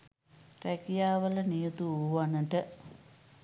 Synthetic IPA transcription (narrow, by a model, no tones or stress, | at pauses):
rekijaːʋɐlɐnijut̪uuʋanɐʈə